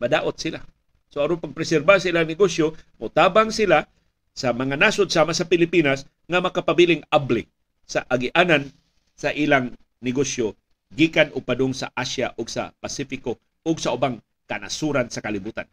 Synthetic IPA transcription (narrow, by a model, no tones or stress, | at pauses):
mɐd̪aːʔot̪̚sɪla | soɐɾonpaɡ̚pɾɛsɛɾbasaʔilaŋnɪɡosjomot̪aːbaŋsɪla | sɐmɐŋanasʊd̪̚saːmasɐpɪlɪpinas | ŋamɐkapabilɪŋablɪ | saʔaɡɪʔaːnan | sɐʔilaŋ | nɪɡosjo | ɡiːkanʊɡ̚pad̪ʊŋsa̰ʔasja̰ʔʊɡsɐ̰pasifɪko | ʊɡsɐʔʊbaŋ | kana̰suɾansɐkalɪbuːt̪a̰n